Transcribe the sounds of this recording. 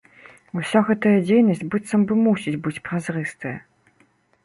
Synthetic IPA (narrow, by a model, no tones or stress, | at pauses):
usʲɔɣɛt̪ɐjɐd͡zʲejnɐsʲt͡sʲbɨt̪sɐmbɨmusʲit͡sʲbɨt͡sʲpɾazrɨst̪ɨjɐ